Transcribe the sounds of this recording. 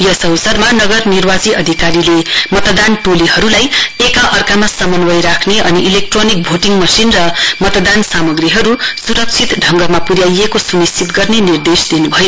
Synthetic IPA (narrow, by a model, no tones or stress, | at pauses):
jʌsʌwsʌrmanʌɡʌrnirwad͡ziʔʌd̪ʱikaɾilemʌt̪d̪anʈoliɦʌɾulajekãʔʌrkamasʌmʌnwʌjɾakʰneʔʌniʔilek̚ʈronik̚bʱoʈiŋmʌsinrʌmʌt̪d̪ansamʌɡriɦʌɾusuɾʌk̚t͡sʰit̪ɖʱʌŋɡʌmapuɾjajekosunist͡sʰit̪ɡʌrnenird̪esd̪inubʱʌjo